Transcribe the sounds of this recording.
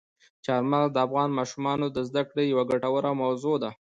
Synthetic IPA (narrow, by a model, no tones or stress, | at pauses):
t͡ʃeaɾmald̪əafɣɑnmɑʃumɑnod̪əzd̪akɽejawaɡaʈawəɾawmawzod̪a